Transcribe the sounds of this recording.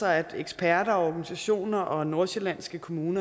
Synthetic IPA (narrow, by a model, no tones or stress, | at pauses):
ɑɪæd̥eɡ̥sb̥ʰæɐɾ̥ɐɒɒɡ̥ænisæɕo̝̰ːnɐʔɒ̽no̝ɐ̰ɕe̝læn̰sɡ̥əkʰo̝muːnɐ